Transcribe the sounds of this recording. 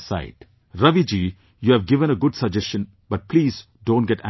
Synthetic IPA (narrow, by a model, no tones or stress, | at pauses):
sa̰ɪɖ | ɾʌʋid͡ʒiː | juːæʋɡɪʋə̃ñəɡʊɖsɐd͡ʒɛst͡ʃə̃n | b̥ʌʈ̚pliːz | ɖõːnɡɛʈæ̰̃